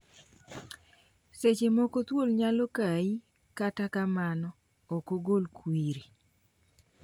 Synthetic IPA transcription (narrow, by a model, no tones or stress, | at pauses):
set͡ʃemɔkot̪wolɲalɔkai | katakamanɔ | ɔkoɡolkwiɾi